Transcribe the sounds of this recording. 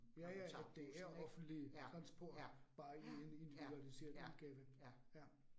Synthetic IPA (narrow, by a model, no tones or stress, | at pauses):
jæjææd̥e̝æɐɒ̽fn̩d̥lit͡sʰʁɑ̈nsb̥ɔɐ̰d̥b̥ɑ̈ːiene̝nd̥iʋiduælise̝̰ːɐð̩ˠuðˠɡ̥ɛːʋəjæ